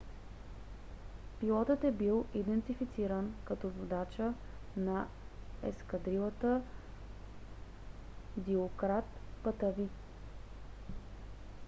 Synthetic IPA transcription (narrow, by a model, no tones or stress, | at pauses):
pilˠɔt̪ət̪ɛbilˠid̪ɛnt̪ifit̪siɾənkɐt̪ɔzod̪at͡ʃə | na | ɛ̰skɐd̪ɾilˠət̪ə | d̪iokɾat̪pət̪əvi